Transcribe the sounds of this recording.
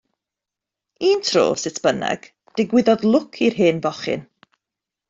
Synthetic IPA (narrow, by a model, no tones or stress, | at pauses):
iːntʰro̰ːsɪtʰb̥ənɛ̰ɡ̥ | d̥ɪɡwɪðɔðlˠʊkʰirɦeːnvɔχɪ̰n